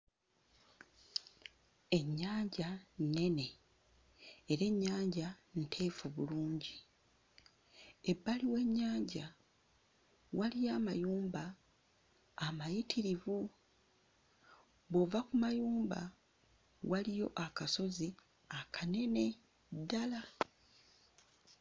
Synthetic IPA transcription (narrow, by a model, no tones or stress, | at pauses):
e̞ɲːaːɲɟanne̞ne̞ | eɾe̞ɲːaːɲɟan̩tʰe̞ːfuβuluːɲɟi | e̞bːaliwe̞ɲːaːɲɟa | walijaːmajuːmba | majitʰiɾivu | βovakumajuːmba̰ | walijo̞ʔakaso̞zi | akʰane̞ne̞ | dːala